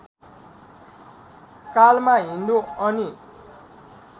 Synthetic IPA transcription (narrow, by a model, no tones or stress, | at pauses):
kalmaɦind̪oʌni